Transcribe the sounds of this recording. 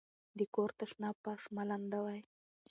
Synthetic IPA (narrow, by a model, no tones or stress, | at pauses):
d̪əkoɾt̪aʂnɑpaʂmaland̪awaj